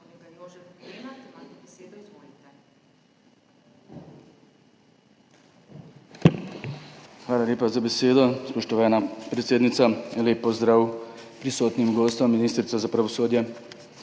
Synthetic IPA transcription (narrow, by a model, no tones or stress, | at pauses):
xʋaːlaleːpazabɛseːd̪ɔspɔʃt̪ɔʋaːnapɾɛt̪seːd̪nit̪saleːpːɔzd̪ɾaːwpɾisoːt̪nimɡoːst̪ɔmːiniːst̪ɾit̪sɔzapɾaʋɔsoːd̪jɛ